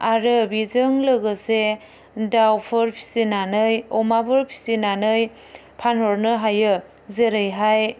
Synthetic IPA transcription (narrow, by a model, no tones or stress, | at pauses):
aɾɯbizɯŋlɯɡɯse | dawpʰɯɾpʰi̥sinanɯjɔmabʰɯɾpʰi̥sinanɯj | pʰanhɔɾnɯɦajɯ | zeɾɯjɦaj